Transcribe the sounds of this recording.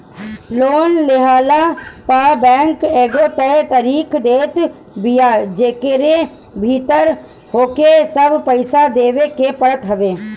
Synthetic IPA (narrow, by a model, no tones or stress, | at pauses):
loːnlɪɦaːlapaːbɛ̃ːŋkeːɡot̪ɛt̪əɾiːkd̪eːt̪ | bijad͡ʒeːkeɾe | bʱiːt̪əɾ | hoːkesəbpəɪsad̪eːʋekepəɽət̪ɦəʋeː